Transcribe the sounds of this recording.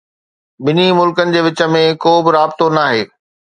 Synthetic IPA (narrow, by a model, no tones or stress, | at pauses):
bɪnimʊlkənɪ̆d͡ʑeːʋɪt͡ɕə̆mẽkoːbɪɾaːbɪt̪onaːɦeː